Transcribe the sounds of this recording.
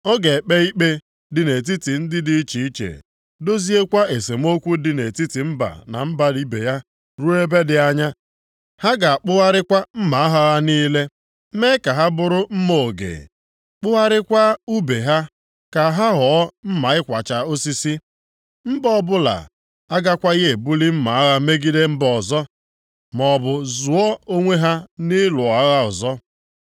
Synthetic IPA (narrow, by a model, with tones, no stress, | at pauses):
ɔ˦ɡe˨k͡pe˦i˦k͡pe˦ | dɪ˨ne˨t̬i˦ti˨n̩˦dɪ˦dɪ˦i˦t͡ʃi˨i˦t͡ʃḛ˨ | do˦zi˦e˦kʷa˦ʔe˨se˨m˦o˦kʷu˦dɪ˨ne˨ti˦ti˨m̩˦ba̰˨na̰˨m̩˦ba˨ɾi˦bḛ˨ja˦ | ɾu˦e˦be˦dɪ˨a˦ɲa˦ | ha˦ɡa˨a˨k͡pʊ˦ɣa˦ɾɪ˦kʷa˦m̩˦ma˨a˦ɦɔ˦ɣa˦niː˦le˦ | me˦ka˨ɦa˦bʊ˨ɾʊ˦m̩˦mo˨ɡḛ˨ | k͡pʊ˦ɣa˦ɾɪ˦kʷa˦u˦be˨ɦa˦ | ka˨ɦa˦ɦɔ˨˦m̩˦ma˨ɪ˦kʷa˨t͡ʃa˨o˦si˦si˦ | m̩˦bɔ˦bʊ˦la̰˨ | a˦ɡa˦kʷa˦ɣe˨bu˦li˦m̩˦ma˨a˦ɣa˦me˦ɡi˦de˦m̩˦bɔ˨zɔ˦ | mɔ˨bʊ˨zʊ˨ɔ˦o˦ŋʷe˦ɦa˦ni˦lʊ˨a˨ɣa˦ɔ̰˨zɔ˦